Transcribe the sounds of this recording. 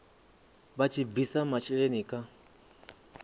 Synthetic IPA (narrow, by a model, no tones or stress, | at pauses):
βat͡ʃʰivisamat͡ʃiɺenikʼa